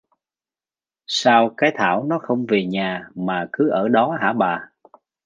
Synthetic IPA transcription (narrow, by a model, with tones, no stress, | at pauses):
saː˧wkaː˨˦jt̪ʰa̰ː˧˩wnɔ˨˦xə˧wŋ͡mve˨˩ɲaː˨˩maː˨˩kɨ˨˦ʔəː˧˩ɗɔ˨˦ɦa̰ː˧˩ɓaː˨˩